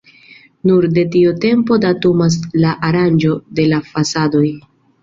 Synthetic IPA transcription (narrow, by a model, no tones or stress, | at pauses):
nuɾde̞tiote̞mpo̞datumas̬laʔaɾand͡ʒo̞de̞lafasado̞j